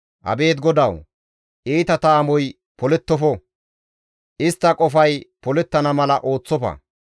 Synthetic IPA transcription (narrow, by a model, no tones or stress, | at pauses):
hɐ̰be̞ːt̪ɡɔd̪ɐw | ʔiːt̪ɐt̪aːmɔj | pɔlɛt̪ːɔfɔ | ʔɪst̪ːɐkʼɔfɐjpɔlɛt̪ːɐnɐmɐlɐʔo̞ːt͡sːɔpɐ̰